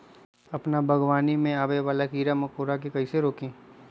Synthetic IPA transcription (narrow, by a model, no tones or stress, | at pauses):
ɐpnabʱɐɡwaːnimẽaːbeʋaːlakiːɾamɐkoːɾak̬ikɐiseɾoːkẽː